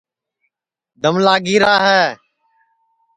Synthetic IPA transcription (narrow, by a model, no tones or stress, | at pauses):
d̪ʱəmlaːɡiːɾaːɦɛː